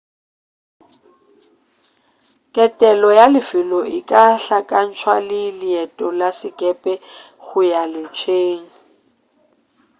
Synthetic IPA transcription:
kʼɛtʼɛlɔjalɪfɪlɔʔɪkʼaɬakʼan̩t͡ʃʰwalɪlɪɛtʼɔlasɪkʼɛpʼɛ | ɣʊjalɪt͡ʃʰeːŋ̩

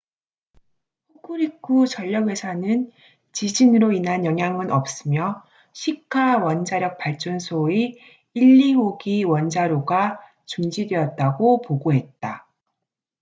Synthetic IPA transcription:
pɸoɡʰɯɾik͈ʰut͡ɕʌʎːʌɡwe̞sʰanɯn | t͡ɕid͡ʑinɯɾoinɦanjʌŋɦjaŋɯnʌp̚s͈ɯmjʌ | ɕʰikʰːawʌnd͡ʑaɾjʌk̚p͈aɭt͡ɕ͈ʌnsʰoi | iʎːiɦoɡiwʌnd͡ʑaɾoɡa | t͡ɕuŋd͡ʑidwe̞ʌt̚t͈aɡopoɡoɦe̞t̚t͈a

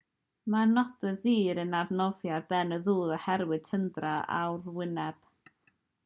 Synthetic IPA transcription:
manɔdəðiːɾənavnɔvjarbɛnəðuːðˠəhɛɾwɨd̥̚tʰəndraa̰wrwɪnɛb̥

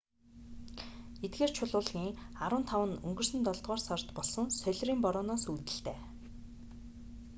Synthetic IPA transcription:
et̪̚ɡeːr̥t͡ɕʰʊɮʊːɮɣiːŋaɾwə̆nt̪ʰawə̆nɵ̰ŋɡɵ̆rsɵ̆nt̪ɔɮt̪ʁɔːrsɔrt̪pɔɮsɞ̆nsœɮʲriːmpɔɾʊːnɔːsuːt̪ɘ̆ɬt̪eː

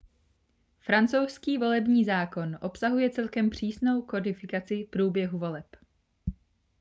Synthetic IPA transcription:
fɾant͡so̞wskiːvo̞lɛbɲiːzaːko̞nʔo̞psaɦujɛt͡sɛlkɛmpr̝̥iːsno̞wko̞dɪfɪkat͡sɪpɾuːbjɛɦuvo̞lɛp

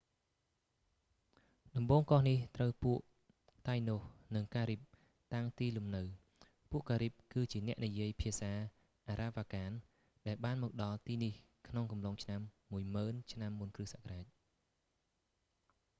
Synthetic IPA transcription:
ɗɑmɓoːŋkɑhniht̪rəwpuəʔ | t̪ajnohnɨŋkaːɾip̚ | t̪aŋt̪iːlumnɨw | puəʔkaːɾip̚kɨːt͡ɕiənɛ̆əʔnijiəjpʰiəsaː | ʔaːɾaːʋaːkaːn | ɗaɛlɓaːnmɔːk̚ɗɑlt̪iːnih | kʰnoŋkɑmloŋt͡ɕʰnamːuəjməːnt͡ɕʰnamːunkrɨhsaːʔkaraːc̚

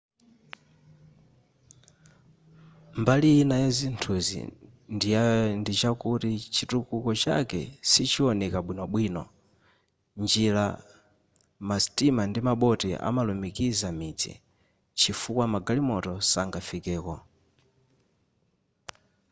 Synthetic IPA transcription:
mbalijinajazintʰuzḭ | ndindit͡ʃakutit͡ʃʰitukukɔt͡ʃa̰kɛ̰sit͡ʃʰiɔnɛkaɓwinɔɓwiːnɔ | nd͡ʒila | masitimandimaɓɔtɛʔa̰malumikizamid͡zḭ | t͡ʃʰifukwamaɡalimɔtɔsaŋɡafikɛːkɔ

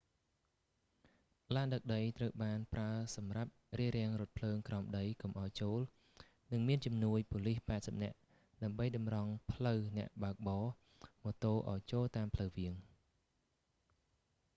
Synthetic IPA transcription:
laːɗək̚ɗəjt̪rəwɓaːnpraəsɑmrap̚riəɾɛ̆əŋrʊ̆ət̪̚pʰləːŋkraɔmɗəjkumʔaɔjt͡ɕoːl | nɨŋmiənt͡ɕɑmnuəjpolihpaɛt̪̚səp̚nɛ̆əʔ | ɗaəmɓəjɗɑmrɑŋpʰləwnɛ̆əʔɓaək̚ɓɑː | mɔːt̪oːʔa̰ɔjt͡ɕoːlt̪aːmpʰləwʋiəŋ

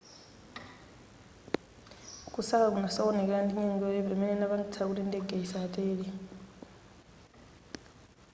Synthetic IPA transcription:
kʼusakak̬unasaɔnɛk̬aandiɲɛŋɡɔɛbamɛnɛnaβaŋɡit͡sʰak̬utindɛɡeisaatʼɛːlɛ

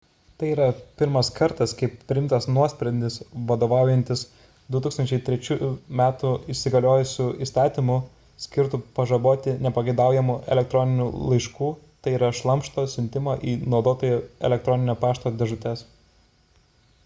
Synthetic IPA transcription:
t̪ɐɪiːɾɐpʲɪɾmɐskɐɾt̪ɐskɐɪppʲːɾʲɪɪmt̪ɐsnuɔsʲpʲɾʲɛd̪ʲɪsʋɐd̪oːʋɑˑʊjɛnʲt̪ʲɪs | d̪ʊt̪uːkst̪ɐnʲt͡ʃʲɛɪt̪ʲɾʲɛt͡ʃʲuːjumʲæːt̪uɪsʲɪɡɐlʲoːjʊsʲuːiːst̪ɑːt̪ʲimʊ | sʲkʲɪɾt̪upɐʒɐboːt̪ʲɪnʲɛpɐɡʲɐɪd̪ɑˑʊjɛmuʔɛ̰lʲɛk̚t̪ɾɔnʲɪnʲuːlˠɐɪʃkuːt̪ɐɪiːɾɐʃlˠɐmʃt̪oːsʲʊnʲt̪ʲɪmɐʔiːnɒʊd̪oːt̪oːjɛɛ̰lʲɛkt̪ɾɔnʲɪnʲoːpɑːʃt̪oːd̪ʲɛʒʊt̪ʲɛs

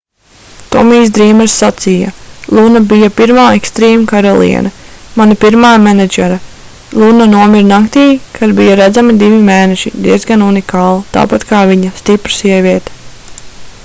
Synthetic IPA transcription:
t̪ɔmiːsd̪ɾiːmɛɾsːat̪sija̰lˠunabijapiɾmaːekst̪ɾɛːmkaɾɔlˠḭɛ̰nɐmanapiɾmaːmɛnɛd͡ʒɛɾa | lˠunanuɔmiɾnakt̪iːkʰad̪bijaɾæd̪zamid̪ivʲimeːnɛʃid̪iɛzɡanunikaːlˠt̪a̰ːpat̪kaːviɲast̪ipɾsiɛvʲiɛt̪ɛ̥

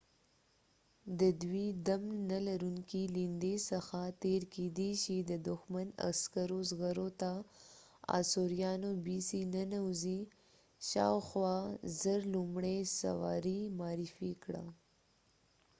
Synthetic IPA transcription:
d̪əd̪wid̪amːalaɾuŋkilind̪esəxat̪eɾked̪eʃid̪əd̪ʊxmana̰skaɾozɣaɾot̪a | ɑ̰soɾijɑnobisinənawzi | ʃɑ̰wxwɑzəɾlumɽesa̰wɑ̰ɾimɑːɾifikɽa̰

